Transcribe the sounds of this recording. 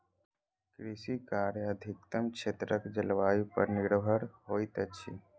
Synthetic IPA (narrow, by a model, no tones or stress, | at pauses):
kɾisikaːɾjəəd̪ʱɪk̚t̪əmkʃʰeːt̪ɾəkd͡ʒəlʋaːipə̰ɾnɪɽbʱəɽɦoːit̪ət͡ʃʰḭ